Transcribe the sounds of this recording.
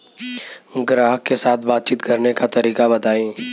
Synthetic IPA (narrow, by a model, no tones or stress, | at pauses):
ɡɾaːɦkesaːt̪̚ʰbaːt̪̚t͡ʃiːt̪kɐɾnekat̪ɐɾiːkabɐt̪aːẽː